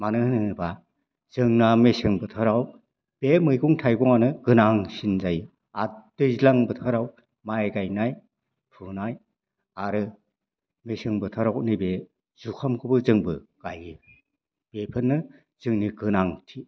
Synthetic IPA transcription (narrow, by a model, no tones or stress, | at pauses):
manɯhnɯnɯba | z̥ɯŋnamesɯŋbɯtʰaɾaw | b̥emɯjɡuŋtʰajɡɔŋanɯɡɯnaŋsinzajɯ | ad̥ɯzlaŋbɯtʰaɾaw | maaɡajnaj | pʰɯnaj | aɾɯ | mesɯŋbɯtʰaɾawnɯbe | z̥ukʰamkʰɯbɯzɯŋbɯɡ̥ajɯ | b̥epʰɯnːɯ | z̥ɯŋniɡɯnaŋtʰi